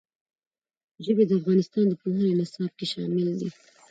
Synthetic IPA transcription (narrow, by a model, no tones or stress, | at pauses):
ʒəbed̪əafɣɑnɪst̪ɑnd̪əpoɦənenɪsɑb̚keʃɑ̰mɪld̪i